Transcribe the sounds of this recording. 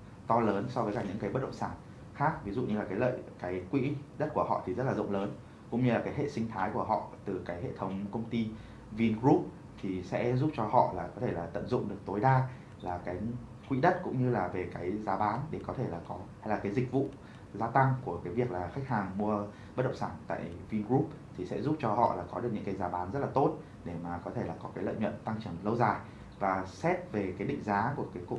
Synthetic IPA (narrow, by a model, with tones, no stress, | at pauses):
t̪ɔ˧ləː˨˦nsɔ˧vəː˨˦jkaː˧˩ɲɨ˧˥ŋkaː˨˦jɓə˦˥t̚ɗə̰˧˨ŋ͡msaː˧˩n | xaː˦˥k̚vi˨˦zṵ˧˨ɲɨ˧laː˨˩kaː˨˦jlə̰ː˧˨jkaː˨˦jkwḭ˧˥ɗə˦˥t̚ku˧˩əɦɔ̰˧˨t̪ʰi˨˩zə˦˥t̚laː˨˩zɨ̰˧˨wŋ͡mləː˨˦n | kʊ̰˧˥ŋ͡mɲɨ˧laː˨˩kaː˨˦jɦḛ˧˨sï˧ŋ̟t̪ʰaː˨˦jku˧˩əɦɔ̰˧˨t̪ɨ˨˩kaː˨˦jɦḛ˧˨t̪ʰə˨˦wŋ͡mkə˧wŋ͡mt̪i˧ | vi˧ənkɹu˦˥p̚ | t̪ʰi˨˩sɛ̰˧˥zu˦˥p̚t͡ɕɔ˧hɔ̰˧˨laː˨˩kɔ˨˦t̪ʰe˧˩laː˨˩t̪ə̰˧˨nzʊ̰˧˨ŋ͡mɗɨ˨˩ək̚t̪o˨˦jɗaː˧ | laː˨˩kaː˨˦j | kwḭ˧˥ɗə˦˥t̚kʊ̰˧˥ŋ͡mɲɨ˧laː˨˩ve˨˩kaː˨˦jzaː˨˦ɓaː˨˦nɗe˧˩kɔ˨˦t̪ʰe˧˩laː˨˩kɔ˨˦hjlaː˨˩kaː˨˦jzï˨˩k̟̚vṵ˧˨ | zaː˧t̪a˧ŋku˧˩əkaː˨˦jvi˨˩ək̚laː˨˩xa˦˥k̚haː˨˩ŋmu˧ə | ɓə˦˥ɗə̰˧˨ŋ͡msaː˧˩nt̪a̰ː˧˨jvi˧nɣɹu˦˥p̚t̪ʰi˨˩sɛ̰˧˥zu˦˥p̚t͡ɕɔ˧hɔ̰˧˨laː˨˩kɔ˨˦ɗk̚ɲɨ̰˧˥ŋkaː˨˦jzaː˨˦ɓaː˨˦nzə˦˥t̚laː˨˩t̪o˦˥t̚ | ɗe˧˩maː˨˩kɔ˨˦t̪ʰe˧˩laː˨˩kɔ˨˦kaː˨˦jlə̰ː˧˨jɲwə̰˧˨nt̪a˧ŋt͡ɕɨ˧˩əmlə˧wzaː˨˩j | vaː˨˩sɛ˦˥t̚ve˨˩kaː˨˦jɗḭ˧˨ŋ̟zaː˨˦ku˧˩əkaː˨˦jkṵ˧˨